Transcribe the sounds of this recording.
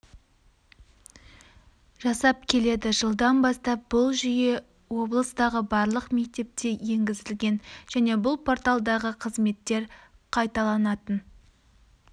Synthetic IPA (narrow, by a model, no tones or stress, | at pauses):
ʒ̥ɑsɑp̚kʲʰe̞le̞d̪ɪʒəlˠd̪ɑnbɑst̪ɑp̚bʊlˠʒʏje̞ | wo̞blˠəst̪ɑʁəbɑɾlˠəqme̞k̚t̪e̞p̚t̪e̞je̞ŋɡʲɪzɪlɡʲe̞nʒ̥æne̞bʊlˠpʰo̞rt̪alˠd̪ɑʁəqʰəzme̞t̪ːe̞ɾqʰɑjt̪ɑlˠɑnɑt̪ən